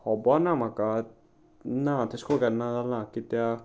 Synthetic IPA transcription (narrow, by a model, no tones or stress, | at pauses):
hɔbɔnamaka | nat̪ʰeskoɡɛɾnad͡zalnãkit̪ja